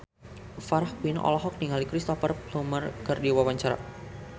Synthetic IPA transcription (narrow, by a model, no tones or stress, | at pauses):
faɾahwinɔ̰lɔɦɔk̚niŋalikɾist̪ɔfərplumərkərdiwawaɲt͡ʃaɾa̰